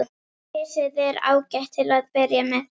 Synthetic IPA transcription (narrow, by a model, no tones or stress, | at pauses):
ɛːsɪðɛɾa̰ːwcɛht̪ʰɪlaðpɪɾjamɛð